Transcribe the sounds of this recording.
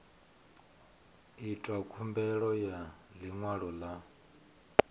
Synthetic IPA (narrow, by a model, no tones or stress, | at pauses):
itʼwakʰumbɛɺɔjaliŋwaɺɔla